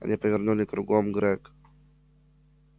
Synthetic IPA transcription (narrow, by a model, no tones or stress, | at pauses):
a̰ɲɛpɔvʲɛɾɲɔnɘkɾuɡɔmɡɾɛk